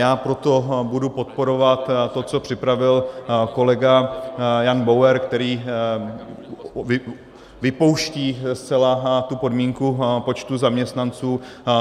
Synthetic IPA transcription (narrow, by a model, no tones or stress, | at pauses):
jaːpɾo̞t̪o̞budupo̞t̪̚po̞ɾo̞vat̪t̪ːo̞t͡so̞pr̝̥ɪpɾavɪlko̞lɛɡajanbowɛɾkt̪ɛɾiː | ɪ | vɪpo̞wʃciːst͡sɛlat̪upo̞dmiːŋkupo̞t͡ʃt̪uzamɲɛst̪nant͡suː